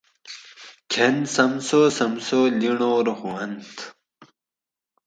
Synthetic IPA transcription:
kʰensɐmsosɐmsoliɳoːɾhuwɐnt̪

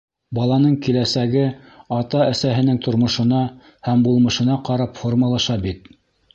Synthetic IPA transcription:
bɑlˠɑnɤɴkilæsæɡɘ | ɑt̪ɑæsæɦɘ̆nɘŋt̪ŏɾmŏʃɤ̆nɑ | hæmbulˠmɤ̆ʃɤ̆nɑqɑɾɑpformɑlˠɑʃɑbit̪̚

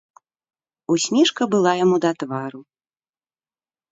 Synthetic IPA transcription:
usʲmʲɛʂkɐbɨlˠajamud̪at̪vaɾu

